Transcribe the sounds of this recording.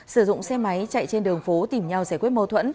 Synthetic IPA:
sɨ˧˩zʊ̰˧˨ŋ͡msɛ˧ma˨˦jt͡ɕa̰˧˨jt͡ɕe˧nɗɨ˨˩əŋfo˨˦t̪i˧˩mɲa˧wzaː˧˩jkwi˦ət̚mə˧t̪ʰwə̰˧˥n

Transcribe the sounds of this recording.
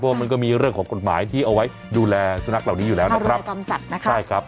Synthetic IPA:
ɔ˦˥waː˥˩ma˧nk̬ɔː˥˩miː˧ɾɯ˥˩əŋkʰɔː˩˦ŋko˨˩t̪̚maː˩˦jt̪ʰiː˥˩ʔa˧wa˦˥j | duː˧lɛː˧sa˧na˦˥k̚la˨˩wniː˦˥juː˨˩lɛː˦˥nna˧˥kɾa˦˥ka˧msa˨˩t̪̚na˦˥kʰa˦˥˩jkʰɾa˦˥p̚

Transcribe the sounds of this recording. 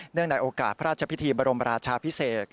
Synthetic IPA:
nɯ˥˩əŋna˧jʔoː˧kaː˨˩t̪̚pʰa˦ɾaː˥˩t̪̚t͡ɕʰa˧pʰi˦˥t̪ʰiː˧baː˧ɾo˧mɾaː˧t͡ɕʰaː˧pʰi˦˥seː˨˩t̪̚

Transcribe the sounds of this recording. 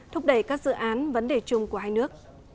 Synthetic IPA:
t̪ʰʊ˦˥k͡p̚ɗə˧˩jkaː˦˥k̚zɨ̰˧˨ʔaː˨˦nvə˨˦nɗe˧˩t͡ɕʊ˧ŋ͡mku˧˩əhɦaː˧jnɨ˦˥ək̚

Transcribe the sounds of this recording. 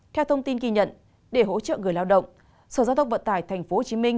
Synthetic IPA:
t̪ʰɛ˧wt̪ʰə˧wŋ͡mt̪i˧nki˧ɲə̰˧˨n | ɗe˧˩ɦo̰˧˥t͡ɕə̰ː˧˨ŋɨ˨˩əjlaː˧wɗə̰˧˨wŋ͡m | səː˧˩zaː˧wt̪ʰwŋ͡mvə˧˨nt̪aː˧˩jt̪ʰɛ˨˩jŋ̟fo˨˦ho˨˩t͡ɕi˨˦mï˧ŋ̟

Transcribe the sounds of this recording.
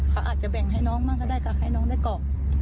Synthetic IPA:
kʰa˦˥wʔaː˨˩t̪̚t͡ɕa˨˩bɛ˨˩ŋɦa˧˥˩jnɔː˦˥ŋmaː˥˩kɔː˧˩da˥˩jkaː˧˩ha˥˩jnɔː˦˥ŋdaː˥˩jkɔː˨˩k̚

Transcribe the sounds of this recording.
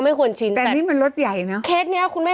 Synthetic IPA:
ma˥˩jkʰu˧ənt͡ɕʰi˧nt̪ɛː˨˩niː˥˩ma˧nɾo˦˥t̪̚ja˨˩jna˦˥kʰeː˦˥t̪̚ni˦˥ɐkʰu˧nma˥˩

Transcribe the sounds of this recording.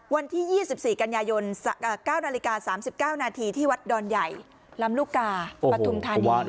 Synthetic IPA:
wa˧nt̪ʰiː˥˩jiː˥˩si˨˩p̚siː˨˩ka˧njaː˧jo˧nː˧˩kaː˥˩wnaː˧li˧˥kaː˧saː˩˦msi˨˩p̚kaː˥˩wnaː˧t̪ʰiː˧t̪ʰiː˥˩wa˦˥t̪̚dɔː˧nja˨˩j | la˦˥mluː˥˩kaː˧pɾa˧u˧mt̪ʰa˧waː˧

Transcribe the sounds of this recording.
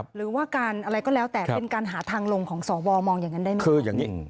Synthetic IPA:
ɾɯː˩˦waː˥˩kaː˧nʔa˧ɾa˧jkɔː˥˩lɛː˦˥wt̪ɛː˨˩˦pe˧nkaː˧nɦaː˩˦t̪ʰaː˧ŋlo˧ŋkʰɔː˩˦ŋsɔː˩˦wɔː˧mɔː˧ŋjaː˨˩ŋːa˦˥ndaː˥˩jm˦kʰɯː˧˩jaː˨˩ŋi˦˥˩

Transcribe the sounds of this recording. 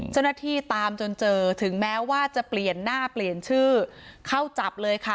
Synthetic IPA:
t͡ɕt͡ɕa˥˩na˥˩t̪ʰiː˥˩t̪aː˧mt͡ɕo˧nt͡ɕɤː˧t̪ʰɯ˩˦ŋmɛː˦˥waː˥˩t͡ɕa˨˩pli˨˩ənːaː˥˩pli˨˩ənt͡ɕʰɯː˥˩kʰa˥˩wt͡ɕa˨˩p̚lɤː˧jkʰa˥˩

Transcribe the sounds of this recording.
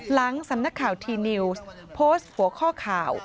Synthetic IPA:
la˩˦ŋsa˨˩˦mna˦˥kʰːaː˨˩wt̪ʰiː˧ni˧wspʰoː˦˥st̪̚hu˨˩˦ɐkʰɔː˥˩kʰaː˨˩w

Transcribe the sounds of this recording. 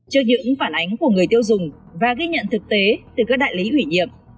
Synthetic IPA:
t͡ɕɨ˦˥ək̚ɲɨ̰˧˥ŋŋfaː˧˩nʔa˨˦jŋ̟ku˧˩əŋɨ˨˩əjt̪i˧əwzʊ˨˩ŋ͡m | vaː˨˩ɣi˧ɲə̰˧˨nt̪ʰɨ˨˩k̚t̪e˨˦t̪ɨ˨˩kaː˦˥k̚ɗaː˧˨jli˨˦ʔwi˧˩ɲḭ˧˨əm

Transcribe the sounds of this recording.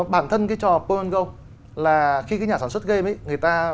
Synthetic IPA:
ɓaː˧˩nt̪ʰə˧nkaː˨˦jt͡ɕɔ˧pə˧ə˧nɣə˧w | laː˨˩xi˧kaː˨˦jɲaː˨˩aː˧˩nswt̚ɣə˧mi˨˦ŋɨ˨˩əjt̪aː˧

